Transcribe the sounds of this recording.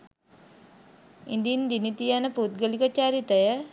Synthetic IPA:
ind̪ind̪init̪ijanəput̪̚ɡəlikət͡ʃaɾit̪əjə

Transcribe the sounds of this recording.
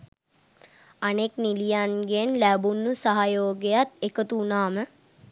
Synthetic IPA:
aneknilijanɡenlæbunːusaɦajoːɡejat̪ekət̪uːnaːmə

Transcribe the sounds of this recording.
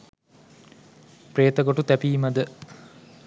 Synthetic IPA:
preːt̪əɡoʈut̪æpiːmɐd̪ə

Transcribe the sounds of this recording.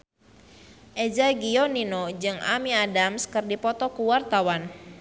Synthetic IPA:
ʔed͡ʒaɡiɔninod͡ʒɨŋa̰miadamskɨrdipɔt̪ɔkuwart̪awan

